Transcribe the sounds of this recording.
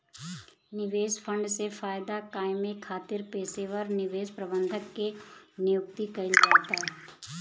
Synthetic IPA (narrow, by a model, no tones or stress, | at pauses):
nɪʋeːsfʰə̃ɳɖsefaːjd̪akaːɪmekʰaːt̪ɪɾpeːseʋɐɾnɪʋeːʃpɾɐbə̃nd̪ʱəkːenɪjʊk̚t̪ikɐɪld͡ʒaːt̪aɦɛ